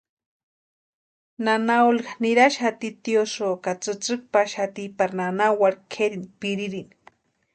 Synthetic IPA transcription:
nanaulkaniɾaʃat̪it̪iosokat͡sɨt͡sɨk̚paʃat̪ipaɾnanawaɾkʰeɾinpiɾiɾin

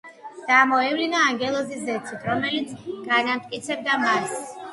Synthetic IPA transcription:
d̪̥amɔɛvlinaːŋɡɛlˠɔziszɛt̪sʰit̪ʰɾɔmɛlit̪sʰɡ̥anamt̪ʼkʼit̪sʰɛb̚d̪amas

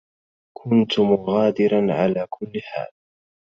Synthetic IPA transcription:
kʰʊnt̪ʊmʊɣaːd̪ɪɾanʕa̰laːkʰʊlːɪħa̰ːl

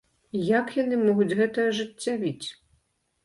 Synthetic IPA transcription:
jakjanɨmɔɣut͡sʲɣɛt̪ɐɐʐɨt͡sʲːavʲit͡sʲ

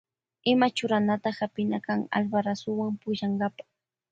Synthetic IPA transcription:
ɪmat͡ʃʊɾanat̪ahapɪnakaŋa̰lbaɾasʊwaŋpʊʃaŋɢɑpḁ

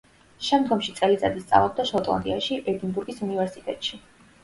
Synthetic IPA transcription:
ʃɛmd̪ɡɔmʃit̪sʼɛlit̪sʼad̪ist̪sʼa̰vlˠɔb̚d̪aʃɔt̪ʼlˠa̰nd̪iaʃiʔɛd̪inbuɾɡisunivɛɾsit̪ʼɛt̪ʼʃi

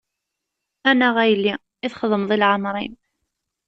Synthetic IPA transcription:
ænæʁæjlːi | iθχəðˤəmðˤilʕəmɾˤḭm

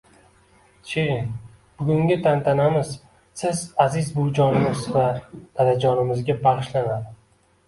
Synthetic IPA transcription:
t͡ʃʰen | b̥ʊɡʲʊŋɡʲɪt̪ʰant̪ʰanamɪz | sɪzazɪzbʊd͡ʒɒnɪmɪzvad̪ad̪ad͡ʒɒnɪmɪzɡʲabɑʁɨʃlanad̪ɪ

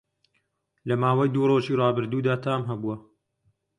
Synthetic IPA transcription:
lɐmaːwɐjd̪uːroːʒiːrɑːbɨɾd̪uːd̪aːt̪ʰaːmɦɐbuɐ

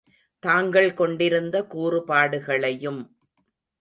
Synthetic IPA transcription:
t̪aːŋɡɐɭkɔɳɖɪɾɯnd̪ɐkuːrɯpaːɽɯɣɐɭɐjɯm

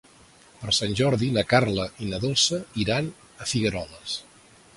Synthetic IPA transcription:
pəɾsanʲʒɔɾðinəkarləʔinəðolˠsəiɾan | əfiɣəɾɔləs

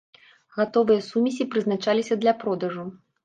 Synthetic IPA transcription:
ɣat̪ɔvɨjɐsumʲisʲipɾɨznat͡ʂalʲisʲɐd̪lʲɐpɾɔd̪ɐʐu

